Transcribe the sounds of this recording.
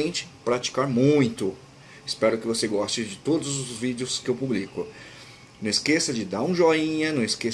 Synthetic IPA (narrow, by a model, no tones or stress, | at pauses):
ẽnt͡ʃɪ̥pɾat͡ʃi̥kaɾmũj̃t̪ʊ | ɪspɛɾʊkɪvoseɡɔst͡ʃɪd͡ʒɪt̪od̪ʊzʊzvid͡ʒɪʊskɪewpublikʊ | nɐ̃w̃ɪskesɐd͡ʒɪd̪aɾũʒɔĩɲɐnɐ̃w̃ɪske